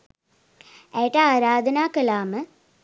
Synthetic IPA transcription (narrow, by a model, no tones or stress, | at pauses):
ɛʈɐaːɾaːd̪ɐnaːkɐlaːmə